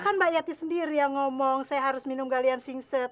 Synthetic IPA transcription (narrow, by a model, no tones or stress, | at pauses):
kanbajat̪isəndiɾijaŋɔmɔŋsajaɦaɾʊsminumɡaliansiŋsɛt̪̚